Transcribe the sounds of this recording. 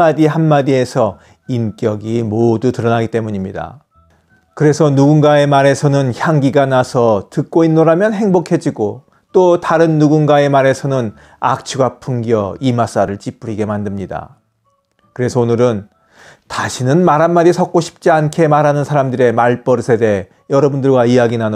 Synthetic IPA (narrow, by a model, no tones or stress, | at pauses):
adiɦanmadie̞sʰʌ | ink͈jʌɡimodutɯɾʌnaɡit͈e̞muɲimɲida̰ | kɯɾe̞sʰʌnuɡunɡae̞maɾe̞sʰʌnɯnçjaŋɡiɡanasʰʌtɯk̚k͈oinːoɾamjʌnɦe̞ŋbokʰe̞d͡ʑiɡo | t͈otaɾɯnːuɡunɡae̞maɾe̞sʰʌnɯn | a̰k̚t͡ɕʰuɡapʰuŋɡjʌimas͈aɾɯɭt͡ɕ͈ip͈uɾiɡe̞mandɯmɲida̰ | kɯɾe̞sʰʌonɯɾɯn | taɕʰinɯnmaɾɦanmaɾisʰʌk͈oɕʰi̥p̚t͡ɕ͈iankʰe̞maɾɦanɯnsʰaɾamdɯɾe̞maɭp͈ʌɾɯsʰe̞de̞ | jʌɾʌbundɯɭɡwaijaɡinan